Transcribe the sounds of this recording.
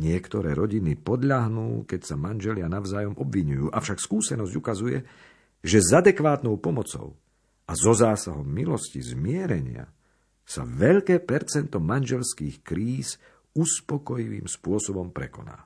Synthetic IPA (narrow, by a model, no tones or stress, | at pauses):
ɲɪɛkt̪ɔɾɛːɾɔɟinipɔd̪ʎaɦnuːkɛcsamanʒɛlɪanaʊzaːjɔmɔbʋiɲujuːʔafʃakskuːsɛnɔzɟukazujɛ̰ | ʒɛzad̪ɛkʋaːt̪nɔʊpɔmɔt͡sɔ̰ʊ | ʔazɔzaːsaɦɔmːilɔscḭzmɪɛɾɛɲɪa̰ | sa̰ʋɛʎkɛːpɛɾt͡sɛnt̪ɔmanʒɛlskiːxkɾiːs | uspɔkɔjiʋḭːmspʊɔsɔbɔmpɾɛkɔna̰ː